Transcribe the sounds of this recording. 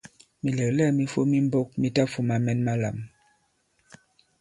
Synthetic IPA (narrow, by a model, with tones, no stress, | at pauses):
mi˨lə˨lɛ˦˨mi˦fo˦mi˦m˦bo˦k̚mi˦ta˦fu˦ma˨mɛ˦nma˦la̰˨m